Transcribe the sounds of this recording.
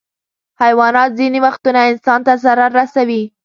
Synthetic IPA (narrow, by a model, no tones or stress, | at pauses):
hajwɑnɑt̪̚ziniwaxt̪unaɪnsɑnt̪azaɾaɾːasawi